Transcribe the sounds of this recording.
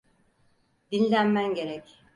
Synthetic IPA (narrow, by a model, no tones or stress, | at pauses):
d̪inʲlʲænmænɟe̞ɾɛc